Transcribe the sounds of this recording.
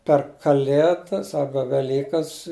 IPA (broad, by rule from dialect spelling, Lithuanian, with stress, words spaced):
pʲɛr kɐˈlʲeːdɐs ˈɐrbɐ ʋʲɛˈlʲiːkɐs